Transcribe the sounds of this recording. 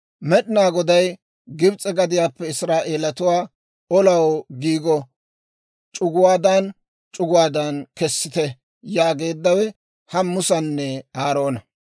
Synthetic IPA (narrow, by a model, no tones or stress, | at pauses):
mɛɗɪnaːɡɔd̪ɐj | ɡɪbt͡sʼɛɡɐd̪ɪjaːpːɛɪsɾaːʔe̞ːlɐt̪ʊwaː | ɔlɐwɡiːɡɔ | t͡ʃʼʊɡʊwaːd̪an | t͡ʃʼʊɡʊwaːd̪ɐnkɛsːɪt̪ɛ | jaːɡe̞ːd̪ːɐwɛ | hɐmːʊsɐnːɛaːɾo̞ːnɐ